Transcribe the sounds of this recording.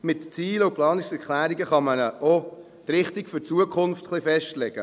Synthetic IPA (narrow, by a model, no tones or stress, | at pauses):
mɪtt͡siːləʊplɑːnɪksɛɾklæːɾiɡəχɑmənəʔo | t̪ɾɪχtiɡfʏɾt͡suəkʰʊnftχlifɛʃtlɛɡ̥ə